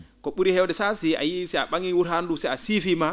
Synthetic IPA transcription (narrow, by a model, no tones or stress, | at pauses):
kɔɓuɾihɛwdɛsasia̰jisɛa̰ɓaŋiwuɾhandusɛjasifima